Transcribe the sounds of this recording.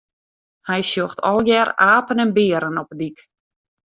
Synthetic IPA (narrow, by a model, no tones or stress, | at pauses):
hɛjsjoxtʰɔ̰lˠjɛɾaːpənɛnbɪːəɾənɔpədik